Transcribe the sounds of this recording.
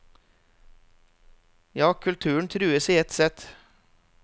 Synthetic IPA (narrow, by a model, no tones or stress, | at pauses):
jɑːkʰʉlt̪ʰʉːəɳ̩t̪ʰɾʉːəsɪɛt̪sɛt̪ː